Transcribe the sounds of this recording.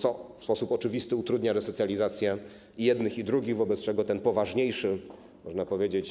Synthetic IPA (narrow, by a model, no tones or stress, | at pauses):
t̪sɔfspɔsupɔt͡ʂɘvʲist̪ɘut̪ɾud̪ɲaɾɛsɔt̪ʲjalʲizat̪sʲjɛ | ijɛd̪nɘxid̪ɾuɡʲiɣvɔbɛt̪st͡ʂɛɡɔt̪ɛnpɔvaʐɲejʂɘ | mɔʐnapɔvʲjed͡ʑet͡ɕ